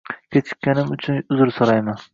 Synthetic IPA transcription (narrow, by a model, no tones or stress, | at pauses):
kʲʰet͡ʃʰɪ̥kʲːanɪmʊt͡ʃʰʊnʊzɪɾsoɾajman